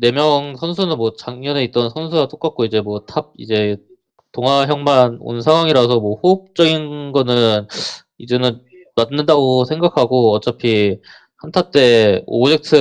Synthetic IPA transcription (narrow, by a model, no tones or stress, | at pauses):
ne̞mjʌŋsʰʌnsʰunɯnmwʌt͡ɕaŋɲʌne̞it͈̚ʌnsʰʌnsʰuɡat͈ok͈ak̚k͈oid͡ʑe̞mwʌtʰab̚ḭd͡ʑe̞ | toŋɦwaɦjʌŋmano̰nsʰaŋwaŋiɾas̬ʰʌmwʌhop̚t͡ɕ͈ʌɡinɡʌnɯn | id͡ʑenɯn | manːɯndaɡosʰe̞ŋɡakʰaɡoʌt͡ɕ͈apʰi | hantʰat͈e̞o̰d͡ʑe̞k̚tʰɯ